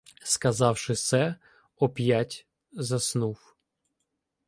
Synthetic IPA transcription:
skɐzɑwʃɪt̪sɛ | ɔpʲjatʲ | zɐsnuw

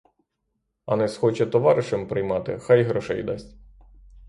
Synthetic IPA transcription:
ɐ̰nɛsxɔt͡ʃɛt̪ɔʋɑɾɪʃɐmpɾɪjmɑt̪ɪ̰xɑjɦɾɔʃɛ̰jd̪ɑsʲtʲ

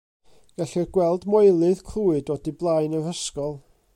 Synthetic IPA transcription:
ɡ̥aɬɛɡwɛlˠdmɔjlˠɨð̥kʰl̥uːɨdɔdiblˠaɨjnəɾ̥əskɔlˠ

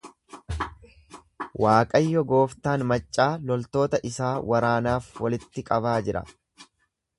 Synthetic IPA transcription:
waːkʼɐjːɔɡo̞ːft̪aːnmɐt͡ʃʼːaːlɔlt̪o̞ːt̪ɐʔɪsaːwʔɐɾaːnaːfwɐlɪt̪ːɪkʼɐβaːd͡ʒɪɾɐ̰

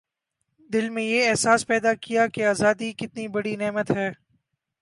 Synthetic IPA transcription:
d̪ɪlmẽjeɛɦsaːspɛːd̪akijakeaːzaːd̪ikɪt̪nibɐɽinɛːmət̪ɦɛː

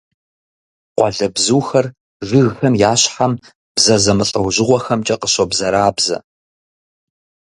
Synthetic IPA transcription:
qʷɑ̰ɮɐbzuːxɐr | ʒɨɣxɐmjaːɕħam | b̥zɐzɐmɨɬʼɐwʑɪʁʷɔxɐmt͡ʃʼɐqəɕobzɐɾaːbzɐ̰

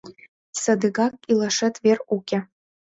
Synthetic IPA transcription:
sɐd̪ɨɡakʼilˠɐʂɛt̪ʼverukʲʼɛ

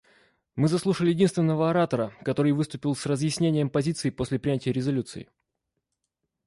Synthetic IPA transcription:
mɨzɐslˠuʂəlʲɪjɪdʲinst̪vʲɪnːəvəɐɾat̪əɾəkɐt̪o̞ɾɨjvɨst̪ʊpʲɪlˠsrəzjɪsʲnʲenʲɪjəmpɐzʲit̪sɨɪpo̞sʲlʲɪpɾʲɪnʲætʲɪjəɾʲɪzɐlʲut̪sɨ̰ɪ̰

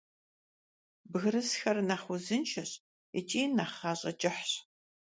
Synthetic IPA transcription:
bɨɣrɨsxɐrnaːχʷʊzɨnʃʰɐɕ | ɛ̰t͡ʃʼiːnaːχaːɕʼɐt͡ʃʼɪħɕ

